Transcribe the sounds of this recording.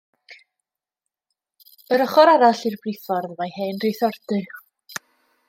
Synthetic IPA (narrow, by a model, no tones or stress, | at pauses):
əɾəχɔɾaɾaɬirbriθɔrðmajheːnrejθɔrdɨ